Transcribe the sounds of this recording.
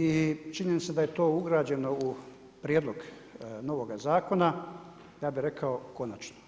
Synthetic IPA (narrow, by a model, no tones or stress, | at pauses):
it͡ʃiɲenit̪sed̪ajet̪o̞ːuɡɾaːd͡ʑe̞no̞u | pɾʲjeːd̪lˠo̞ɡ | no̞ʋo̞ɡazaːko̞na | jaːbiɾe̞kʰaoko̞nat͡ʃno